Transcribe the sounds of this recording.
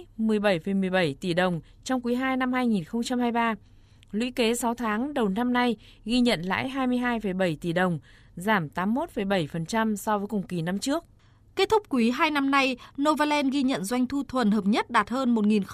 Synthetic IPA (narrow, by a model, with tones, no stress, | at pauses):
mɨ˨˩əjɓə˧˩jfə˧˩jmɨ˨˩əjɓə˧˩jt̪i˧˩ɗə˨˩wŋ͡m | t͡ɕɔ˧wŋ͡mkwi˨˦ɦaː˧jna˧mhaː˧jŋi˨˩nxə˧wŋ͡mt͡ɕa˧mhaː˧jɓaː˧ | lwḭ˧˥ke˨˦sa˨˦wt̪ʰaː˨˦ŋɗə˨˩wna˧mna˧j | ɣi˧ɲə̰˧˨nla̰ː˧˥jɦaː˧jmɨ˧əjɦaː˧jfə˧˩jɓə˧˩jt̪i˧˩ɗə˨˩wŋ͡m | zaː˧˩mt̪aː˨˦mːo˦˥t̚fə˧˩jɓə˧˩jfə˨˩nt͡ɕa˧msɔ˧vəː˨˦jkʊ˨˩ŋ͡mki˨˩na˧mt͡ɕɨ˦˥ək̚ | ke˦˥t̚t̪ʰʊ˦˥k͡p̚kːwi˨˦ɦaː˧jna˧mna˧jno˧vaː˧lɛ˧nɣi˧ɲə̰˧˨nzwa˧jŋ̟t̪ʰu˧t̪ʰwə˨˩nhəː˨˩p̚ɲə˦˥t̚ɗaː˨˩t̚həː˧nmo˨˩t̚ŋi˨˩n